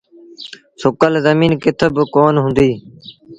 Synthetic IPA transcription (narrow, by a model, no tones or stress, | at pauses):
sʊkəlzəmiːnkɪt̪ʰəbkoːnɦʊ̃nd̪iː